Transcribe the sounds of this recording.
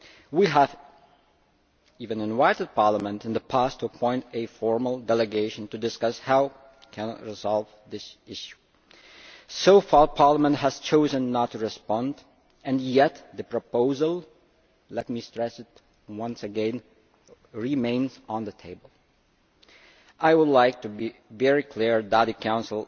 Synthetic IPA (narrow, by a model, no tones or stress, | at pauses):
wiəv | ivɨ̃nɨ̃nvaɪɾɨd̚pɑɹləmə̃ntɨ̃nðəpʰæstʰuəpʰɔ̃ɪ̃ntɨfɔɹməl̩ˠdɛlˠɨɡeɪʃɨ̃n̩tɨdɨskʌshaʊ | kʰænɑ̰t̚ɹɨzɑlˠv | ðɪsɪʃu̥ | soʊfɑɹpʰɑɹləmə̃nthæz̥t͡ʃʰoʊzɨ̃nːətʰːɨɹɨspɑ̃nd | ɨ̃njɛt̪ðɨpɹ̥əpoʊzəl̩ˠ | lɛt̚mistɹ̥ɛsɨt̚ | wʌ̃nsɨɡɛ̃n | ɹimẽɪ̃nz̃n̩ðəɨtʰeɪbəl̩ˠ | ʔaɪwʊdˡlaɪk̚tɨbivɛɹikʰl̥iɹdæɾikʰãʊ̃nsl̩ˠ